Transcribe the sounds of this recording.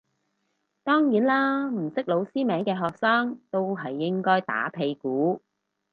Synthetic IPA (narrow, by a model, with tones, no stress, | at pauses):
t̪ɔː˥ŋjiː˨˥nlaː˥m̩˨˩sɪ˥k̚lo˨˧wsiː˥mɛː˨˥ŋkɛː˧ɦɔː˨k̚saː˥ŋt̪o˥wɦɐ˨jːɪ˥ŋkɔː˥jt̪a̰ː˨˥pʰe˨˧jkuː˨˥